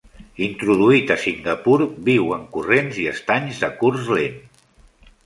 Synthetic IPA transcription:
int̪ɾuðuit̪əsiŋɡəpuɾbiwəŋkurenziəst̪aɲzðəkuɾzlen

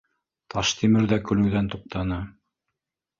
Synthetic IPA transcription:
t̪ʰɑʃt̪imɘ̆ɾðækɵ̆lɘ̆wðænt̪uq̚t̪ʰɑnɤ

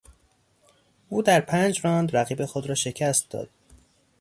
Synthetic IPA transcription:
ʔuːd̪æɾpʰænd͡ʒɾɒːnd̪ɾæɣiːbe̞xod̪ɾɒːʃe̞cʰæst̪̚d̪ɒ̰ːd̪̥̚

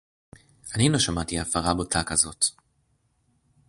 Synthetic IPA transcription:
aninoʃamat̪iafaʁabot̪ʰakazo̞t̪

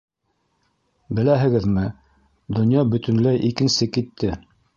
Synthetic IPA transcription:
bɘ̆læɦɘ̆ɡɘðmɘ | d̪ŏnjɑbɵ̆t̪ɵ̆nlæjʔikɘ̆nsɘkit̪ʰːɘ

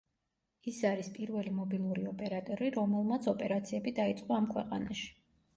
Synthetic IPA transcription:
isaɾispʼiɾvɛlimɔbilˠuɾiɔpʼɛɾat̪ʼɔɾiɾɔmɛlˠmat̪sʰɔpʼɛɾat̪sʰiɛbid̪ait̪sʼqʼɔamkʰwɛqʼanaʃi̥

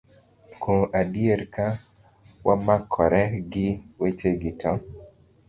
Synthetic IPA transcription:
kʰõʔadiɛɾka | wʔamakʰɔɾɛɡiwet͡ʃeɡika

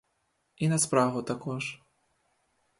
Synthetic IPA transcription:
inɐspɾavut̪akɔʂ

